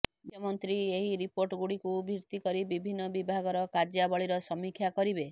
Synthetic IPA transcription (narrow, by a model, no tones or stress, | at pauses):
dʱjɔmɔnt̪ɾieɦiɾipoɾʈɔɡuɽikubʱiɾt̪ikɔɾibibʱinːɔbibʱaɡɔɾɔkaɾd͡ʒjabɔɭiɾɔsɔmikʰjakɔɾibe